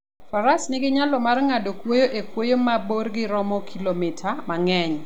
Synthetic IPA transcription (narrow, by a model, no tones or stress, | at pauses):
faɾasnɪɡɪɲalɔmarŋadokwojoʔekwojomaborɡɪɾɔmɔkʰilomɪtʰamaŋɛɲ